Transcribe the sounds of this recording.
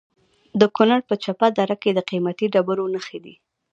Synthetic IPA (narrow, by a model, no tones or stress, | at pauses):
d̪əkunaɽpət͡ʃapad̪aɾaked̪əqimat̪iɖabəɾonəxed̪ḭ